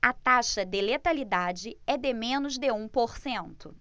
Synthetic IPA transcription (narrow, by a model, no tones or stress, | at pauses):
ɐt̪aʃɐd̪ɪlet̪alid̪ad͡ʒɪɛd̪ɪmẽnʊzd̪eũpoɾsẽnt̪ʊ